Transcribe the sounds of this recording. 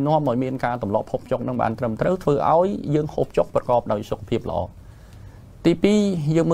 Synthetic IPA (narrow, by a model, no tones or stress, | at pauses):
nŏəmʔaɔjmiənkaːt̪umlŏəpʰoːp̚ʰt͡ɕok̚nɨŋɓa̰ːnt̪rəmt̪rəwt̪ʰʋəːʔa̰ɔjːəːŋhoːp̚ʰt͡ɕok̚prɑkɑːp̚ɗaɔjsokʰːapʰiəp̚lə̆ʔɑ̰ː | t̪iːpiːjəːŋmə